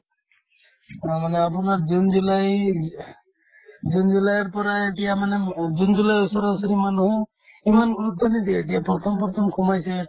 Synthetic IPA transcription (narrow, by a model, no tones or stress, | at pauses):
amaneapunaɾd͡ʒund͡ʒulaj | d͡ʒund͡ʒulajɔɾpɔɾaeʈijamaned͡ʒund͡ʒulajusɔɾsɔɾimanuɦɔ | imanɡɾut̪ʰːɔnid̪ieʈijapɾɔt̪ʰɔmpɔɾt̪ʰɔmkʰumajse